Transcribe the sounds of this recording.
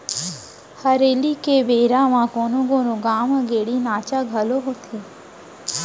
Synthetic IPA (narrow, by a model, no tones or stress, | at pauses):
həɾelikebeɾamãkonõɡonũɡaːmɡeɽinaːt͡ʃaɡʱəloɦot̪ʰe